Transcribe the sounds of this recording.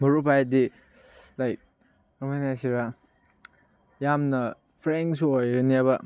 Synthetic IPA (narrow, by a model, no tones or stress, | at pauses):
mɐɾupaj̚di | lajk̚ | ɔmanasiɾa | jamnɐ | pʰɾeŋsuojɾeniabɐ